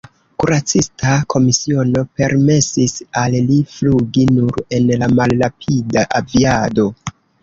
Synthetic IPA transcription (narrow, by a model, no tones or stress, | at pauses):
kuɾat͡sistakʰo̞misio̞no̞pe̞ɾme̞sisallifluɡinuɾe̞nlamalːapʰidaʔaviado̞